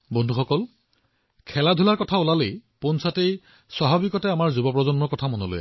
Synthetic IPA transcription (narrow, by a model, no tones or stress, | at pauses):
bɔndʱuxɔkɔl | kʰɛladʱulaɹkɔtʰaulalejponsatej | saɦabikɔtɛamaɹzubɔpɹɔzɔnmɔɹkɔtʰamɔnolo̰ja̰